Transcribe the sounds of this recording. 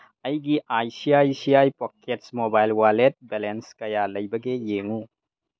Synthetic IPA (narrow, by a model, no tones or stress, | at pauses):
ɐjɡiʔajsiajsijajpɔketsmobajlwalet̚belenskɐjalɐjbɐɡejeŋu